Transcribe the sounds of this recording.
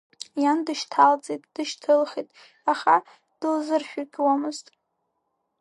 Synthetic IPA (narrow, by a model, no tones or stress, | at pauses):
jandɨʃtʰalt͡sʼetʼd̥ɨʃtʰɨlχitʼ | aχa | d̥ɨlzɨrʃᶣarɡʲʼwamɨztʼ